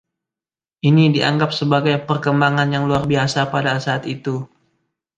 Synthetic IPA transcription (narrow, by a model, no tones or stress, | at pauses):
ʔinidia̰ŋɡapsəbaɡajpərkəmbaŋanjaŋluarbiasapadasaaːt̪it̪u